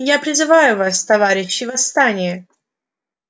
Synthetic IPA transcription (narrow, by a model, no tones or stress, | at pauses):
japɾʲɪzɨvajʊvast̪ɐvaɾʲɪɕːɪvɐst̪anʲɪjə